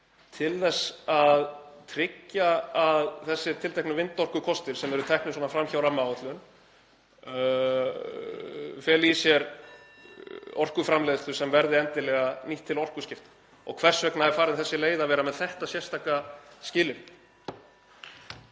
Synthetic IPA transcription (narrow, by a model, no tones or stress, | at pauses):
t̪ʰɪlθɛsːaðt̪ʰɾɪcːaaðθɛsːɪɾt̪ʰɪlt̪ɛjknʏvɪnt̪ɔr̥kʏkʰɔst̪ɪɾ̥sɛmɛɾʏt̪ʰɛhknʏswɔːnafɾamçawɾamawt̪lʏn | fjɛːlisjɛɾ | ɔr̥kʏfɾamlejðɪt̪ʏ̥sɛmvɛɾðɪɛnt̪ɪlɛːɣaniht̪ʰːɪlɔr̥kʏscɪft̪ | ɔ̰ɣkʰv̥ɛr̥svɛknaɛɾfaːɾɪnθɛsːɪleːjðavɛːɾamɛðθɛht̪asjɛr̥st̪ʰaːkascɪːlɪn